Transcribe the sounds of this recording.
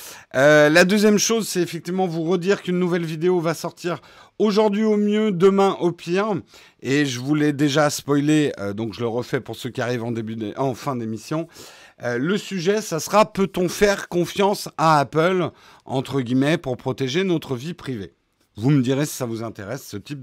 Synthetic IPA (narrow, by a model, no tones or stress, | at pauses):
ølad̪øzjɛmʃozsɛt̪efɛk̚t̪ivmɑ̃vuʁəd̪iʁkynːuvɛlvid̪eovasɔʁt̪iʁ | oʒuʁd̪ɥiomjød̪əmɛ̃ʔopʰiʁ | eʒəvulɛd̪eʒaspɔjleød̪ɔ̃kʒələʁəfɛpuʁsøkʲiaʁivɑ̃d̪ebyɑ̃fɛ̃d̪emisjɔ̃øləsyʒɛsasəχapøt̪ɔ̃fɛʁkɔ̃fjɑ̃saːpəl | ɑ̰̃t̪χəɡʲimɛpuʁpχɔt̪eʒenɔt̪χəvipχivḛ | vuməd̪iʁesi̥savuzɛ̃t̪eʁɛsːət̪ip̚